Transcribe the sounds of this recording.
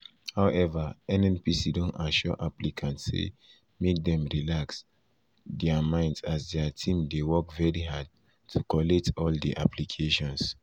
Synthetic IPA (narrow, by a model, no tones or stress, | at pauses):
haʊʔɛvaɛ̃nɛ̃npisidõntaʃɔ̰ʔaplikʰãntsḛ | mek̚dɛ̃mɹilaks | dɛamãɪ̃ndsasdɛatʰĩmdewɔkvɛɹiɦad̚ | tʰukɔlɛk̚tʰɔldḭʔa̰pʰlikʰeʃɔ̃ns